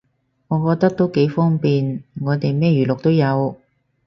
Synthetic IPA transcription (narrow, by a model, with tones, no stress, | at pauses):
ŋɔː˨˧kɔː˧k̚t̪ɐ˥k̚t̪o˥wke˨˧˥jfɔː˥ŋpiː˨nŋɔː˨˧t̪e˨jmɛː˥jyː˨˩lʊ˨k̚t̪o˥wjɐ˨˧w